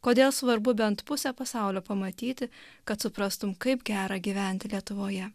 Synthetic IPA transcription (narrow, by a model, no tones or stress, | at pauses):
koːd̪ʲeːlˠsʋɐɾbʊbʲɛnt̪pʊsʲɛpɐsɑˑʊlʲoːpɐmɐt̪ʲiːt̪ʲɪkɐt̪sʊpɾɐst̪ʊmkɐɪpɡʲæːɾɑːɡʲiːʋʲæˑnʲt̪ʲɪlʲiɛt̪ʊʋoːjɛ